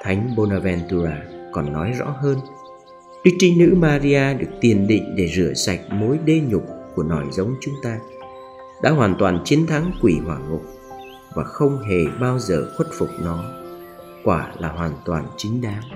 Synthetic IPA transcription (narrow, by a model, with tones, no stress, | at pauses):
t̪ʰa˨˦jŋ̟ɓo˧naː˧vɛ˧nt̪u˧zaː˧kɔ˨˩nːɔ˨˦jzɔ̰˧˥ɦəː˧n | ɗɨ˦˥t͡ɕi˧nɨ̰˧˥maː˧zi˧aː˧ɗɨ˨˩ək̚t̪i˨˩ənɗḭ˧˨ŋ̟ɗe˧˩zɨ˧˩əsa˨˩jk̟̚mo˨˦jɗe˧ɲʊ˨˩k͡p̚ku˧˩ənɔ˧˩jzə˨˦wŋ͡mt͡ɕʊ˨˦ŋ͡mt̪aː˧ | ɗa̰ː˧˥ɦwaː˨˩nt̪waː˨˩nt͡ɕi˨˦ənt̪ʰa˨˦ŋkwi˧˩hwaː˨˩ŋʊ˨˩k͡p̚ | vaː˨˩xə˧wŋ͡mɦe˨˩ɓaː˧wzəː˨˩xwə˦˥t̚fʊ˨˩k͡p̚nɔ˨˦ | kwaː˧˩laː˨˩ɦwaː˨˩nt̪waː˨˩nt͡ɕï˨˦ŋ̟ɗaː˨˦ŋ